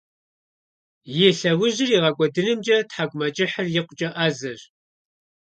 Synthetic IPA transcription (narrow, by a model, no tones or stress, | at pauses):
jeɬɐwʊʑɪriːʁɐkʷʼɔdɨnɨmd͡ʒʼɐtħaɡʷʊmɐt͡ʃʼɪħɐrjɪqʷt͡ʃʼɐʔazɐʒ